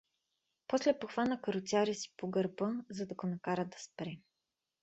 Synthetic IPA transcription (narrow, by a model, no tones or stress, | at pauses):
pɔslɛpoxvanəkəɾot̪sʲaɾisi̥poɡɐɾbɤzɐd̪ɐɡonɐkaɾəd̪ɐspɾɛ